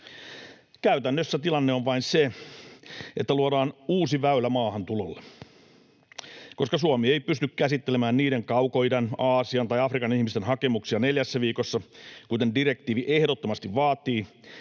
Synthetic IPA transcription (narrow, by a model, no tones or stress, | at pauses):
kæyt̪ænːøsːæt̪ilɑnːeoʋʋɑinse | ʔet̪ːæluodɑːnuːsiʋæylæmɑːhɑnt̪ulolːe | ko̞skɑsuɑmie̞jpyst̪ykkæsit̪ːelemæːnniːɾeŋkɑuko̞jdenɑːsiɑnt̪ɑjɑfrikɑnihmist̪enɦɑke̞muksiɑneljæsːæʋiːko̞sːɑkut̪e̞ndire̞k̚t̪iːʋiʔehdot̪ːomɑst̪iʋʋɑːt̪iː